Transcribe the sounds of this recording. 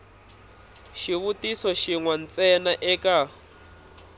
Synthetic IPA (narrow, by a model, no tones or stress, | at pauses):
ʃiβutisɔʃiŋwan̩t͡sɛnaʔɛka